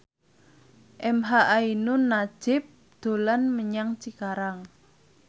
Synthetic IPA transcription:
ʔɛmɦaʔainʊnːḁd͡ʒ̥ɪp̚ | d̪̥o̤lanməɲaŋt͡ʃikaɾaŋ

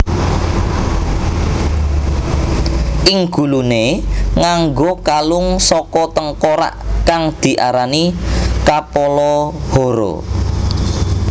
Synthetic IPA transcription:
ʔɪŋɡ̥ṳluneŋaŋɡokalʊŋsɔkɔt̪əŋkoɾa̰ʔkaŋd̪̥i̤ʔaɾanikapolɔhoɾo̰

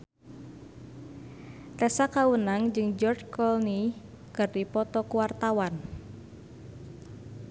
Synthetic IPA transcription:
t̪ɛsakawənaŋd͡ʒɨŋd͡ʒɔrt͡ʃkɔlni | kɨrdipɔt̪ɔkuwart̪awan

